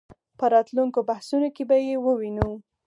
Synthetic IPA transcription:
pəɾɑt̪luŋkobahsunokebajewəwinu

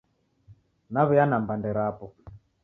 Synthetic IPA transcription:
naβɛjanambandɛɾapɔ

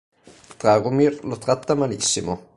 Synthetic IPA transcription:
t̪ɾaɡumiɾlot̪ɾat̪ːamalḭsːimo

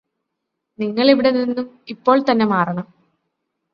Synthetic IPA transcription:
niŋːɐɭiʋiɽe̞ninːum | ipːo̞ːɭt̪ɐnːe̞maːrɐɳɐm

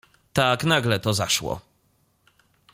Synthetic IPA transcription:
t̪aknaɡlɛt̪ɔzaʂwɔ̰

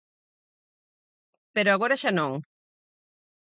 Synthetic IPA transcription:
peɾoaɣoɾaʃanõŋ

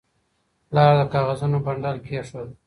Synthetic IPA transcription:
lɑːɾd̪əkɑːɣazunobaɳɖɑlkʰeʂwəl

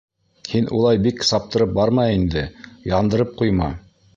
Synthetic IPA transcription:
hinʔṵlˠɑjbiksɑp̚t̪ɤ̆ɾɤp̚bɑɾmɑind̪ɘjɑnd̪ɤ̆ɾɤp̚qujmɑ̰

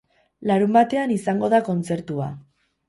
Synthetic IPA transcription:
laɾumbat̪e̞anisaŋɡo̞ðako̞nt͡se̞ɾt̪ua

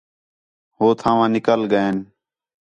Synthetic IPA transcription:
ɦoːt̪ʰãːʋãːnɪkəlɠəeːn

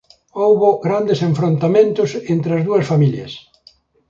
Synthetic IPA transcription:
owβʊɣɾand̪esẽɱfɾõnt̪amẽnt̪ʊsent̪ɾɪɐzðuɐsfamiljɐ̰s

